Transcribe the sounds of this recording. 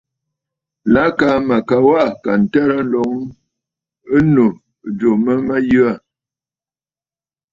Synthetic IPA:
la˨˦ka˨˦ma˨ka˨wa˦ʔka˨n̩˨tɛ˦ɾa˦n̩˦lɔ˨˦ŋ | ə˦no˨ | d͡ʒo˨mə˦ma˦jʉ˦a˦˨

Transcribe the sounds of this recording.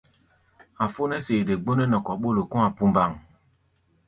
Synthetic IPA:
a˨fo˦nɛ˦seː˨de˨ɡ͡bo˦nɛ˦nɔ˨kɔ˨ɓo˦lo˨kɔ̃˦a˨pu˦mba˦˨ŋ

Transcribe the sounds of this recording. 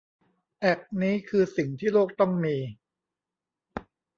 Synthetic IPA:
ʔɛ˨˩k̚niː˦˥kʰɯː˧si˨˩ŋt̪ʰiː˥˩loː˥˩k̚t̪ɔ˥˩ŋmiː˧

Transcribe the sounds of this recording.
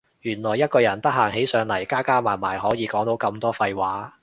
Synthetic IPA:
jyː˨˩nlɔː˨˩jːɐ˥t̚kɔː˧jɐ˨˩nt̪ɐ˥k̚ɦaː˨˩ŋɦe˨˥jsœː˨˧ŋlɐ˨˩jkaː˥kaː˥maː˨˩maː˨˩jɦɔː˨˥jiː˨˧kɔː˨˥ŋt̪o˨˥wkɐ˧mt̪ɔː˥fɐ˧jwaː˨˥

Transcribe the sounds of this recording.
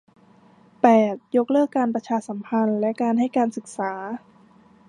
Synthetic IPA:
pɛː˨˩t̪̚jo˧˦˥k̚lɤː˥˩kːaː˧npɾa˧t͡ɕʰaː˧sa˩˦mpʰa˧nlɛ˦˥ʔkaː˧nɦa˥˩jkaː˧nsɯ˨˩k̚saː˩˦

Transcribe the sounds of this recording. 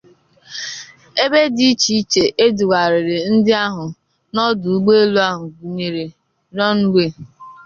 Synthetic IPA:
e˦be˦di˦i˦t͡ʃi˨i˦t͡ʃe˨ʔe˦du˨ɡa˨ɾɪ˨ɾɪ˨n̩˦dɪ˦a˦ɦʊ˨ | nɔ˦dʊ˨u˦ɡ͡be˦e˦lu˦a˦ɦʊ˨ɡu˨ɲe˨ɾe˨ | nɔ˦n̩˦ɡʷe˦˨

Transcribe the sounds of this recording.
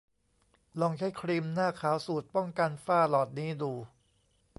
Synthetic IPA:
lɔ˧ŋt͡ɕʰa˦˥jkʰɾiː˧mnaː˥˩kʰaː˩˦wsuː˨˩t̪̚pɔ˥˩ŋka˧nfaː˥˩lɔː˨˩t̪̚niː˦˥duː˧

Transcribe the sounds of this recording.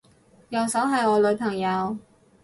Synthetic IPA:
jɐ˨wsɐ˨˥wɦɐ˨jɔː˨˧lɵ˨˧ɥpʰɐ˨˩ŋjɐ˨˧w

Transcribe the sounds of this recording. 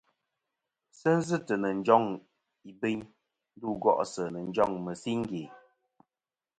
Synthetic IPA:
sə˦n̩˦zɨ˦˨tə˨nə˨n̩˨˦d͡ʒɔ˦ŋ | i˨be˦ɲ | n̩˦duː˦˨ɡɔ̰˦˨ʔsə˨nə˨n˦d͡ʒɔ˦˨ŋmə˨si˦ŋ̩˦ɡe˨

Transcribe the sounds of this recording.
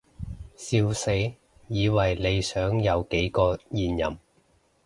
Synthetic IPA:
siː˧wse˨˥j | jiː˨˧wɐ˨˩jle˨˧jsœː˨˥ŋjɐ˨˧wke˨˥jkɔː˧jiː˨njɐ̰˨˩m

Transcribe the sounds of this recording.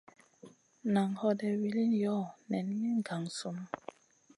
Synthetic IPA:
na˨ŋhɔ˦dɛ˨wi˦li˦njɔ˦˨nɛ˨n˦ji˦ŋ˨ɡa˨ŋ˨su˦m˦

